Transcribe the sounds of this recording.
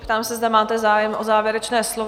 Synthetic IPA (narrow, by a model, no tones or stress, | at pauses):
pt̪aːmsɛzd̪amaːt̪ɛzaːjɛmʔozaːvjɛɾɛt͡ʃnɛːslov